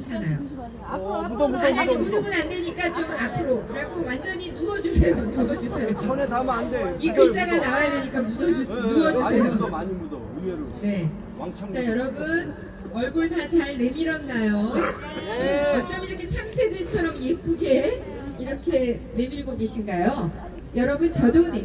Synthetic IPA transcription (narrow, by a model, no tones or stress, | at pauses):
ɯt͡ɕʰanajo | maɲʌimudɯmunande̞ɲik͈at͡ɕomapʰɯɾokɯɾaɡowand͡ʑʌɲinuʌd͡ʑusʰejonuʌd͡ʑusʰejo | dikɯt͡ɕ͈aɡanawajadeɲik͈amudʌd͡ʑunuʌd͡ʑuejo | ne̞ | t͡ɕajʌɾʌbɯn | ʌɭɡuɭtat͡ɕaɭne̞miɾʌnːajo | jʌt͡ɕ͈ʌmiɾʌkʰet͡ɕʰamsʰedɯɭt͡ɕʰʌɾʌmjepʰuɡe̞ | iɾʌkʰe̞ | ne̞miɭɡoɡe̞ɕʰinɡajo | jʌɾʌbɯnt͡ɕʌnɯn